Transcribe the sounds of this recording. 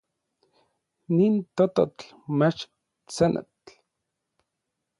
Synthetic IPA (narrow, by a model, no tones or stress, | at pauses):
nint̪ot̪o̰t͡ɬ | met͡ʃ | t͡senʔḛt